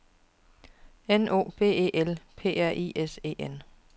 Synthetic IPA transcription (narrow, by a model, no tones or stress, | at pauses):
enʔo̝̰ːb̥e̝̰ːeːʔelpʰe̝̰ːæɐ̰ʔḭːʔese̝̰ːʔen